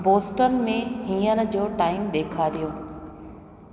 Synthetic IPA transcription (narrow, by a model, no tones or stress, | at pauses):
boːsʈənɪ̆mẽɦiːənɪ̆d͡ʑoːʈaːɪmɗeːkʰaːɾijoː